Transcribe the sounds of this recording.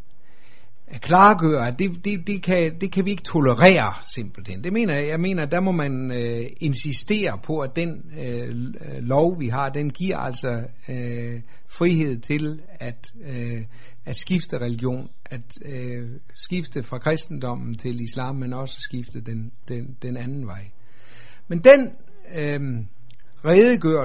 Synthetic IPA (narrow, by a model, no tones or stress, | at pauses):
ækʰlɑ̈ːɡ̥øːɐd̥e̝d̥e̝d̥e̝kʰæd̥e̝kʰæʋie̝ɡ̥ət͡sʰo̝ləʁɛ̰ːɐ | se̝m̰b̥l̩hend̥e̝me̝̰ːnɐjɑ̈ɪme̝̰ːnɐd̥æmɒ̽mæn | e̝nsisd̥e̝̰ːɐpʰɒ̽æd̥en | lɒʊʋiɦɑ̈d̥enɡ̥iɐ̰æl̰sɒ | fʁiɦe̝ð̰ˠt͡sʰe̝l | æd̥ | æd̥sɡ̥ifd̥əʁɛliɡ̥jo̝̰ːn | æd̥ | sɡ̥ifd̥əfʁɑ̈kʰʁɛsd̥n̩d̥ɒ̽m̰n̩t͡sʰe̝lislɑ̰̈ːmːenɒ̽sə̥sɡ̥ifd̥əd̥en | d̥e | d̥enænn̩ʋɑ̈ɪ̰ | mend̥en | ʁɛːðˠəɡ̥øɐ̰